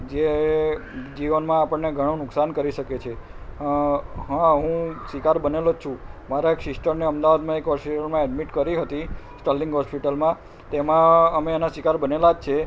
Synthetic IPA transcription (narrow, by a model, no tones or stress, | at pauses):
d͡ʒe | d͡ʒiʋənmãapəɳːeɡʱəɽ̃õnʊksankəɾiʃəket͡ʃʰe | ɦãɦũsʋikaɾbənelot͡ʃʰũmaɾaekʃɪsʈəɾneəmd̪aʋad̪mãekɦɔspiʈəlmãɛɖmiʈkəɾiɦət̪isʈəlːiŋɡɦɔspiʈəlmã | t̪emãəmeenasikaɾbənelad͡ʒt͡ʃʰe